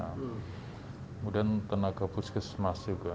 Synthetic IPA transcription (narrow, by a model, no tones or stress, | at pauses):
a | mudant̪ənaɡabuskəsmasika